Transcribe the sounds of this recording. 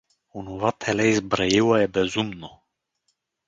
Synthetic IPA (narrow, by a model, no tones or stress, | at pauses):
unuvat̪ʰɛlɛzbɾajiwajɛbɛzumnɔ